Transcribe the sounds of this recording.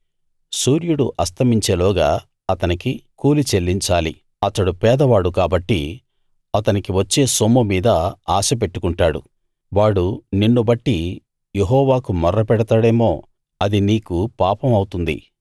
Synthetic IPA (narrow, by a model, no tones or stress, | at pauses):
suːɾjuɽuʔɐst̪ʰɐmiɲt͡ʃe̞ːlɔːɡa̰ː | ɐt̪ɐnikikuːlit͡ʃelːiɲt͡ʃaːlḭ | ɐt̪ɐɽupɛːd̪ɐʋaːɽukaːbɐʈːi | ɐt̪ɐnikiʋɐt͡ʃːe̞ːsomumiːd̪ɐaːsɐpe̞ʈːu̥kuɳʈaːɽṵ | ʋaːɽuninːubɐʈːi | je̞ɦɔːʋaːkumɐrːɐpɛɽɐt̪aːɽe̞ːmo̞ː | ɐd̪iniːkupaːpɐmɐwut̪und̪ḭ